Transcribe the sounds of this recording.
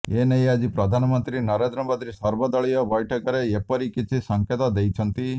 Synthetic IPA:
enejad͡ʒipɾɔd̪ʱanɔmɔnt̪ɾinɔɾend̪ɾɔbɔd̪ʱiɾisɔɾbɔd̪ɔɭijɔbɔjʈʰɔkɔɾeepɔɾikit͡ʃʰisɔŋket̪ɔd̪ejt͡ʃʰɔnt̪i

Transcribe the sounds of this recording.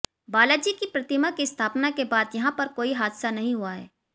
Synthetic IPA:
baːlad͡ʒikipɾɐt̪ɪmakist̪ʰaːpnakebaːd̪jɐɦãpɐɾkoːiɦaːd̪sanɐɦĩɦuaɦɛ̰ː

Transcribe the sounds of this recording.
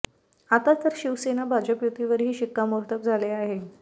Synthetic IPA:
at̪at̪əɾɕiʋsenabʱad͡ʑəpjut̪iʋəɾɦiːɕikːamuɾt̪əp̚d͡zʱaleaɦe

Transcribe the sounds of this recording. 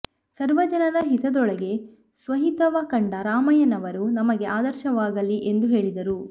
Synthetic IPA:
sɐɾʋɐd͡ʒɐnɐɾɐɦit̪ɐd̪ɔɭɐɡe̞ | sʋɐɦit̪ɐʋakɐɳɖɐɾaːmɐjɐnɐʋɐɾunɐmɐɡe̞ʔaːd̪ɐɾʃɐʋaːɡɐlːiʔe̞nd̪uɦe̞ːɭid̪ɐɾu

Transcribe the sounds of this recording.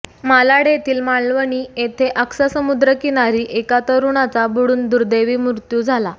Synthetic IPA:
malaɽet̪ʰiːlmaɭlʋəɳiːet̪ʰeʔəksasəmud̪ɾəkinaɾiːʔekat̪əɾuɳat͡sabuɽuːnd̪uɾd̪eʋiːmuɾt̪juːd͡zʱala

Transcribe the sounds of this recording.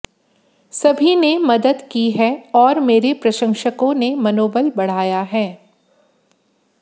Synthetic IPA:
sɐbʱinemɐd̪əd̪kiɦɛɔːɾmeːɾepɾɐʃə̃ŋʃəkõnemɐnoːbəlbɐɽ̤aːjaɦɛː

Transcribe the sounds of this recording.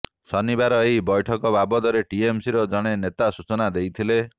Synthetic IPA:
sɔnibaɾɔejbɔjʈʰɔkɔbabɔd̪ɔɾeʈiemsiɾɔd͡ʒɔɽ̃enet̪asut͡ʃɔnad̪ejt̪ʰile

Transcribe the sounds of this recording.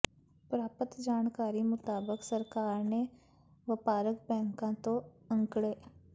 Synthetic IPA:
pɾaːpət̪d͡ʒaːnkaːɾimʊt̪aːbəksəɾkaːɾne | ʋɪpaːɾəkbɛ̃ːŋkãt̪oɐ̃ŋkɽeː

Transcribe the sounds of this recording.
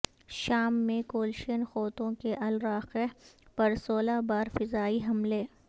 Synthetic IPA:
ʃaːmːẽkoːlʃənxɔːt̪õkeʔɐlɾaːqepɐɾsoːlabaːɾfɪzaːiɦɐmleː

